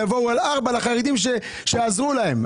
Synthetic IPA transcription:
avo̞ualaʁbalaχaʁed̪imʃe | ʃeazʁulahe̞m

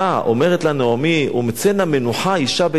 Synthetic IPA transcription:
aʔo̞̰me̞ʁetlaneomiṵmet͡senamenuħaiʃabe

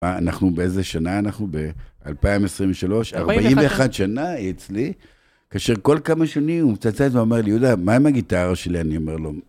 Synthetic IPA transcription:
aanaχnubeezeʃanaːnaχnube̞a̰lpaimesʁimveʃalo̞ʃaʁbaʔimveːχadʃanaet͡sli | kaːʃeʁko̞lkamaʃanimumt͡sat͡satveomeʁlijud̪amaimaɡit̪aʁaʃelianio̞me̞ʁlo

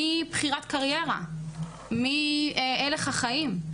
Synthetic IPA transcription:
ibχiʁatkaʁje̞ʁa̰ | mieleχhaχaim

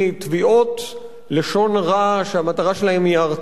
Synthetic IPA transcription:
t̪viʔot | leʃo̞nʁaʃehamat̪aʁaʃe̞lahe̞miaʁ

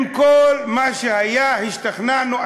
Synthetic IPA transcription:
mkolmaʃehajahiʃt̪aχnano

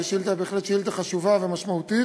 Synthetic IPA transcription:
ʃilt̪abeːχle̞tʃjilt̪aχaʃuvave̞maʃmaut̪i

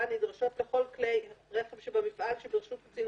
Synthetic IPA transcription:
anidʁaʃo̞tleχo̞lklejʁeχevʃebamifʔalʃebiʁʃutt͡sin

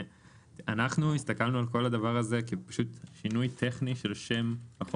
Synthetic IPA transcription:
anaχnuist̪akalnualko̞lad̪avaʁazekipḁʃut̪ʃinujt̪ʰeχniʃe̞lʃemaχ

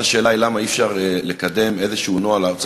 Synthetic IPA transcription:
aʃe̞ːlailamaifʃaʁle̞kad̪e̞me̞zeʃuunoalaʁt͡s

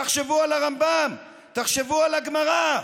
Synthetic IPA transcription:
aχʃevualaʁambam | t̪aχʃevualaɡmaʁa

